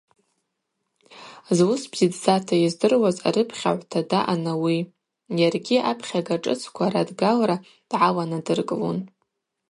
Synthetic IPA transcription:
zwʊsbz̥idzatʰajizdɨrwaza̰ɾɨpʰχʲa̰ʕʷtʰadaʔanawi | jarɡʲiapʰχʲaɡaʈ͡ʂʼɨ̰t͡sʰkʷʰaɾadɡalɾa | d̥ʕawanadɨrkʼɨlo̰n

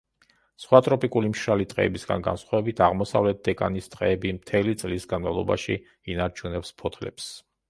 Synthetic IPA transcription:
sχwat̪ʼɾɔpʼikʼulimʃɾalit̪ʼqʼɛ̰ːbisɡa̰nɡa̰nsχwavɛbit̪ʰaʁmɔsavlɛt̪̚d̪ɛkʼanist̪ʼqʼɛːbimt̪ʰɛlit̪sʼlisɡanmavlˠɔba̰ʃḭ | inaɾt͡ʃʰunɛpspʰɔt̪ʰlɛ̰ps

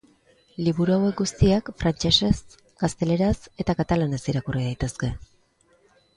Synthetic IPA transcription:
liβuɾuawe̞k̚ɡust̪iakfɾant͡ʃe̞se̞s | ɡ̥ast̪e̞le̞ɾase̞t̪akat̪alane̞siɾakuriðajt̪e̞ske̞

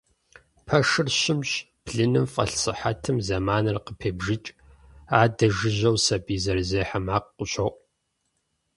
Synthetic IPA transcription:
pʰɐʂɨrɕɪmɕ | b̥ɮɨnɨmfʼɐ̰ɬsɨħatʰɨmzɐmaːnɐrqəpʰeːbʒɪt͡ʃʼ | aːdɐʒɨʑɐwsɐbiːzɐrzeːħamaːqqʷʊɕʼɐwʔʼ

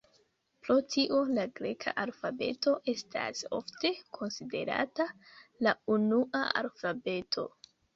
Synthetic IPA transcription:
pɾo̞tʰiʔo̞laɡɾe̞kʰa̰ʔalfabe̞̰to̞ʔe̞stʰa̰so̞̰fte̞kʰo̞nside̞̰ɾa̰talaunuʔaa̰lfabe̞tʰo̞̰

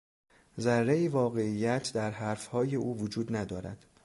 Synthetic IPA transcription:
zærːeiːvɒːɣe̞ijːæt̪ʰd̪æɾɦæːɾfhɒːje̞ʔuːvod͡ʒuːd̪næd̪ɒːɾæ̰d̪̥

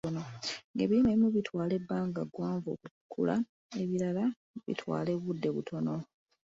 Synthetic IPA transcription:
onoŋɡe̞ːβiineβimuβitwaːle̞bːaːŋɡaɡwaːɱvo̰ːkukʰːṵla̰ | e̞βiɾala | βḭtʰwa̰ːle̞βudːe̞βutʰo̞no̞

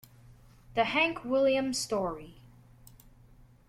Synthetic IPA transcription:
ðɨhæ̃ŋkʰwɪlˠjɨ̃mstɔɹi

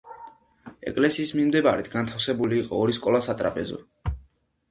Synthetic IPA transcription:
ɛ̰kʼlɛsiːsmimd̪ɛbaɾit̪ʰɡant̪ʰafsɛbuliːqʼɔːɾiskʼɔlˠasat̪ʼɾa̰pʼɛzɔ̰

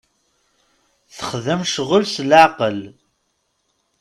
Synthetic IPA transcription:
θə̥χðəmʃʁʊlslʕaqəl

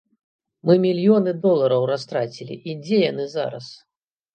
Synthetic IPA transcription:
mɨmʲilʲjɔnɨd̪ɔlˠɐɾɐwɾast̪ɾat͡sʲilʲḭʔid͡zʲɛjanɨza̰ɾɐ̰s

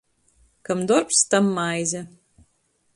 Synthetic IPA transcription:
kɐmd̪orpst̪ɐmːaːjzʲɐ

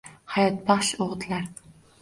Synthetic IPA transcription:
hajɑt̪̚bɑχʃoʁt̪ʰlaɾ

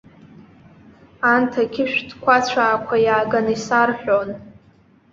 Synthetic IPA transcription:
antʰakʲʰɪʃᶣdkʷʰat͡ɕʷʰaːkʷʰajaːɡanɨisarħᶣon

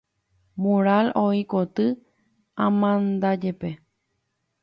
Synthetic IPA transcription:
mũɾaloikot̪ɨ | ãmãnd̪ad͡ʒepe

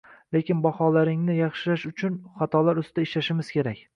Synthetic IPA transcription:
le̞kʲɪnbɒhɒlaɾɪŋnɪjɑχʃɪlaʃʊt͡ʃʰʊnχɑt̪ʰɒlaɾʊst̪ɪd̪aɪʃlaʃɪmɪz̥kʲʰe̞ɾakʲ

